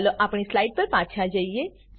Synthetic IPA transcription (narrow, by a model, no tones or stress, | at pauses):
loʔapɳ̃islaːiɖ̚pəɾpãːt͡ʃʰad͡ʒaie